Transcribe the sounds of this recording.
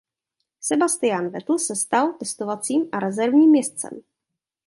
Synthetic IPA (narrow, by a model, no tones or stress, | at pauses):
sɛbast̪ɪjanvɛt̪l̩sɛst̪alt̪ɛst̪ovat͡siːmʔaɾɛzɛɾvɲiːmːjɛst̪t͡sɛ̰m